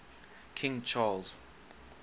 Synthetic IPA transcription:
kʰɪ̃ŋt͡ʃʰalz

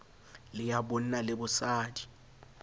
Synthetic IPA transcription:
lɪjabon̩nalɪbʊsaːdi̥

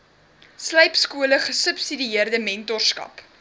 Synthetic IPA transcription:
sləjpskuələχəsəpsidiiərdəmɛntɔrskɐ̰p

